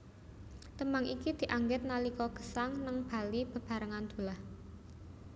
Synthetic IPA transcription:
t̪əmaŋʔikid̪̥i̤ʔaŋɡɪt̪̚nalikɔɡ̥ə̤̥saŋnəŋb̥a̤lib̥ə̤b̥ä̤ɾəŋand̪̥ṳlah

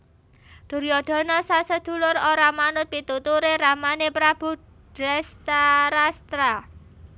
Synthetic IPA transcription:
d̪̥ṳɾjɔɖ̪̥ɔ̤nɔsasəd̪̥ṳlʊɾoɾamanʊt̪̚pit̪ut̪uɾeramanepɾab̥ṳ | d̥ɾɛst̪aɾast̪ɾa

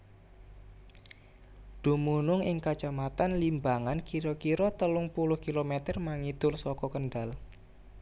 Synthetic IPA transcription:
ɖ̪̥ṳmunʊŋɪŋkḁd͡ʒ̥a̤mat̪anlimbaŋankiɾɔkiɾɔt̪əlʊŋpulʊhkilomet̪ərmaŋit̪ʊlsɔkɔkənɖal

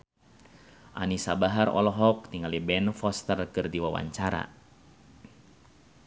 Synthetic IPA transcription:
ʔanisabaɦarɔ̰lɔɦɔk̚t̪iŋalibɛnfɔst̪ərkɨrdiwawa̰ɲt͡ʃaɾa̰

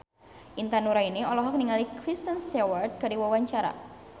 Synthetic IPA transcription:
ʔint̪anuɾainiɔlɔɦɔk̚niŋalikɾist̪ənsewart̪̚ɡaɾiwawaɲt͡ʃaɾa̰

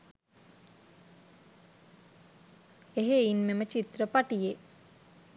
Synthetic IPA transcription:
eɦeinmemət͡ʃit̪rəpaʈije

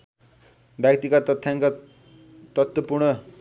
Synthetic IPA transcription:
bjakt̪ikat̪ʌt̪ʰjaŋka | t̪ʌt̪wʌpurɽɳʌ

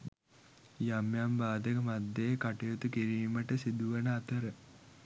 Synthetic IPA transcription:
jamjambaːd̪əkəmad̪ːekaʈujot̪ukiɾiːməʈəsid̪uʋənəat̪əɾə

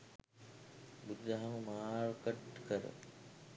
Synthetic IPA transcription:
bud̪ːɐɦaməmaːɾkəʈkəɾə̰

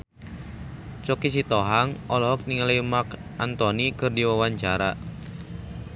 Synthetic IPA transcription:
t͡ʃɔkisit̪ɔɦaŋɔlɔɦɔk̚niŋalamakʔant̪ɔnikɨrdiwawaɲt͡ʃaɾa

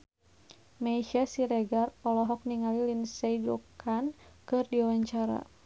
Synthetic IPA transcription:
maiʃasiɾɛɡarɔlɔɦɔk̚niŋalilinsaid͡ʒɔkʰankɨrdiwawaɲt͡ʃaɾa̰

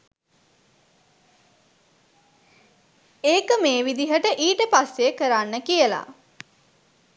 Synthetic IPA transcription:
eːkəmeːʋid̪iɦəʈəʔiːʈəpasjekəɾanːəkijəla̰

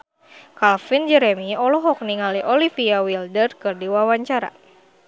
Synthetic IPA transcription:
kalfind͡ʒɛɾɛmiɔlɔɦɔk̚niŋaliʔɔlifiawildərkɨrdiwawaɲt͡ʃaɾa̰

